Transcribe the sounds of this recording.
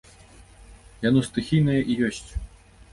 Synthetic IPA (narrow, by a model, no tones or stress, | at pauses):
janɔst̪ɨxʲijnɐjɐʔijɔsʲt͡sʲ